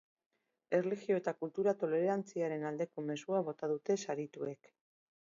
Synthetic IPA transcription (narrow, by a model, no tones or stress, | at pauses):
e̞rliɣio̞e̞t̪akult̪uɾat̪o̞le̞ɾɾant͡siaɾe̞nald̪e̞ko̞me̞suaβo̞t̪að̞ut̪e̞saɾit̪ue̞k